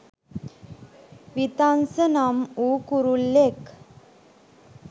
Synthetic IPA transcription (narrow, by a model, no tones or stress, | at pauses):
ʋit̪ansənamukuɾulːek